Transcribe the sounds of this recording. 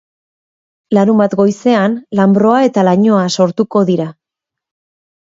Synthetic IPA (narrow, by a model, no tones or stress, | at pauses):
laɾumbat̪ɡo̞jse̞anlambɾo̞ae̞t̪alaɲo̞aso̞ɾt̪uko̞ðiɾa